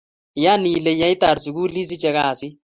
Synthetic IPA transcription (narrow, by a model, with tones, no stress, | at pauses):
ja˦ni˨le˨ja˦jta˨ɾsu˨ɡuː˦li˦s̬i˦t͡ʃɛ˧kaː˨si˦